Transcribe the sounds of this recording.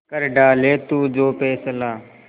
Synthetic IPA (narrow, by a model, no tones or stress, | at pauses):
kəɾɖaːleːt̪uːd͡ʒoːpeːsəlaː